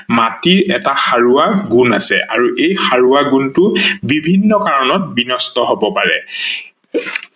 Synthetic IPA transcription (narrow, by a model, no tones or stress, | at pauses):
matiɹɛtaxaɹuaɡunasɛ̰ʔa̰ɹuʔejxaɹuaɡuntʊbibʱinːɔkaɹɔnɔt̚binɔstɔɦobɔpaɹɛ̰